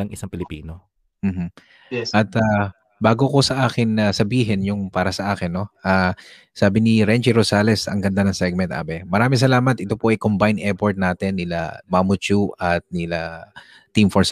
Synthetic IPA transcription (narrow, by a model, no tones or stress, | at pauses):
ɐŋʔɪsaŋpɪlɪpiːno | m̩ːɦ̩ | ʔɐt̪a | baːɡo̞ko̞sɐʔaːkɪnːɐsɐbiːɦɛnjʊŋpaːɾɐsɐʔaːkɛnːo̞ʔaː | saːbɪnɪɾɛnd͡ʒiɾosaːlɛsɐ̰ŋɡɐnd̪anɐŋsɛɡ̚mɛnt̪ʔa̰ːbɛmɐɾaːmɪŋs̬ɐlaːmɐt̪ʔɪt̪o̞poʔɐjkombajnʔɛpoɹt̪̚naːt̪ɛnːɪla̰mamʊt͡ʃuɐt̪̚nɪla | t̪ːimfoɹs